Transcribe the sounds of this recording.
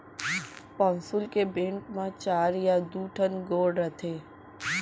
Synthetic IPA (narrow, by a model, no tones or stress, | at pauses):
pɔ̃ːnsʊlkebẽːɳʈmãt͡ʃaːɾjad̪uːʈʰənɡoːɖɾət̪ʰeː